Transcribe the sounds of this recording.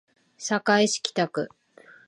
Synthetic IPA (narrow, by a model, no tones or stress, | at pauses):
sakaiɕi̥kʲi̥t̪akɯ̟̰